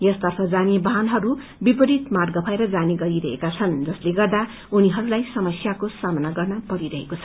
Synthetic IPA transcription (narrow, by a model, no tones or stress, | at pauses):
jʌst̪ʌrpʰʌd͡zanebʌɦanɦʌɾu | bipʌɾit̪marɡʌpʰaeɾʌd͡zaniɡʌɾiɾʌɦḛkat͡sʰʌnd͡zʌsleɡʌrd̪a | uniɦʌɾulajsʌmʌsjakosamʌnaɡʌrnʌpʌɾiɾʌɦekot͡sʰʌ